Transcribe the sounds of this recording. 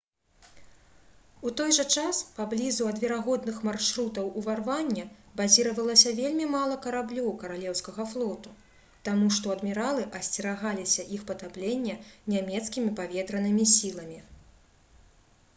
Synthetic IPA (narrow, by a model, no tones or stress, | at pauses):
ut̪ɔjʐɐt͡ʂaspablʲizuɐd̪vʲɛɾaɣɔd̪nɨxmarʂɾut̪ɐwʔuvarvanʲːɐbazʲiɾɐvɐlˠɐsʲɐvʲelʲmʲimalˠɐkɐɾablʲɔwkɐɾalʲɛwskɐɣɐflˠɔt̪u | t̪amuʂt̪ɔɐd̪mʲɛɾalˠɨʔɐsʲt͡sʲɛɾaɣalʲisʲɐʔixpɐt̪aplʲenʲːɐnʲamʲɛt̪skʲimʲipavʲɛt̪ɾɐnɨmʲisʲilˠɐmʲi